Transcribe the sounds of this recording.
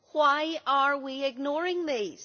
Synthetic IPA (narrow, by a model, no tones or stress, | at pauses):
waɪəɹwiɪɡ̚nɔɹɪ̃ŋðiz̥